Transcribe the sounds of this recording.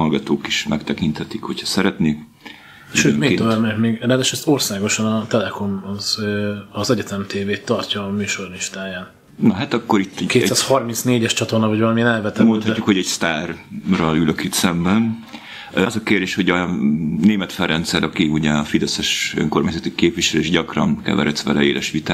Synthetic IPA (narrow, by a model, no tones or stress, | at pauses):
ɒlɡɒt̪oːkiʃmɛkt̪ɛkint̪hɛt̪ikho̞chɒsɛɾɛt̪neːk | ʃøːmeːt̪omɛmeːɡɾaːd̪aʃɛst̪orsaːɡo̞ʃɒnɒt̪ɛlɛko̞mɒzøɒzɛɟɛt̪ɛmt̪eːveːt̪ːɒrcɒːmyːʃorniʃt̪aːjaːn | nɒɦat̪ɒkːoɾit̪ːɛkeːtsaːshɒrmint̪sneːɟɛʃt͡ʃɒt̪o̞rnɒvɒɟvɒlɒmiɛnɛlvɛt̪ɛmonhɒcːukho̞ɟɛɟst̪aːrrɒlyløkit̪sɛmbɛn | zɒkeːrd̪eːʃho̞ɟɒneːmɛt̪fɛrɛnt̪sɛɾʔɒkiuɟɛɒfid̪ɛsɛʃø̰ŋkormaːɲzɒt̪ikeːpʋiʃɛleːʒɟɒkrɒnkɛ̰vɛ̰ɾɛsʋɛlɛ̰eːlʔɛʃʋit̪aː